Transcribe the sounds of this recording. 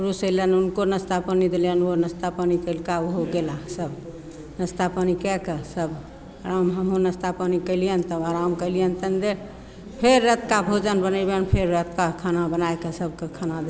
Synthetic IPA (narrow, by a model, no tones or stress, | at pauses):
pɾusəɪlənunkonəst̪apənid̪eljənoɦnəst̪apənikəɪlkaoɦoɡelasəb | nəst̪ʰapənikɛkesəbʱ | ɾamɦəmɦũnəst̪apənikəɪlijənt̪əəɾamkəɪlijənt̪ənd̪e | pʰeɾːət̪kabʱod͡ʒənbənəbenpʰeɾːət̪kakʰanabənajkesəb̚kekʰanad̪e